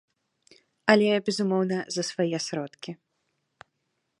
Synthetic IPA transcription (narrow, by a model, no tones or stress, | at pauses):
ɐlʲɛbʲɛzumɔwnɐzɐsvajɛsɾɔt̪kʲi